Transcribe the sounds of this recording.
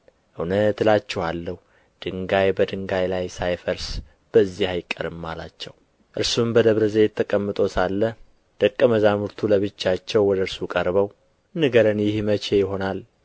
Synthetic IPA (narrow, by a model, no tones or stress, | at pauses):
ʔɨwnət̪lat͡ʃːɛhalːəhu | d̪̥ɨŋɡajbəd̪ɨŋɡajlajsajfəɾs | b̥əzːihajɪkʼːə̰ɾɨmːala̰t͡ʃːɛw | ʔɨɾsumbəd̪əβɾəzejɛt̪ʰːəkʼəmːɨt̪ʼo̞salːə | d̪̥əkʼːəməzamuɾt̪ʰuləβɨt͡ʃːat͡ʃːɛwːɔd̪əɨɾsukʼəɾbəw | ɨnɨɡəɾənjɪhmət͡ʃe̞jɪɦo̞nal